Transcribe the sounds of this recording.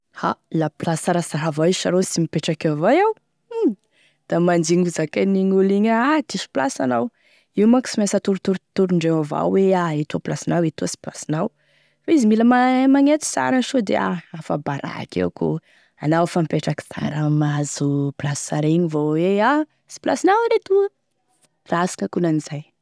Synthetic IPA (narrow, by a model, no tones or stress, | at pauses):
halaplasaɾasaɾavaizʃaɾosimipeʈ͡ʂakavajaw | d̪̥amand͡ʒiŋuzakaniŋuliɲaad̪isi̥plasanaw | iwmaku̥simasət̪uɾut̪uɾt̪uɾuɳɖ͡ʐewava̰wweaet̪oplasinawet̪osi̥plasinaw | faizimiləmamaŋet̪i̥sa̰ɾənʃod̪ḛa̰afabaɾa̰kḛwku | anawafampeʈ͡ʂaki̥ta̰ɾəmazuplasi̥saɾeɲivowea | si̥pla̰sinawaɾet̪uə | rasi̥kəkunaniz̥aj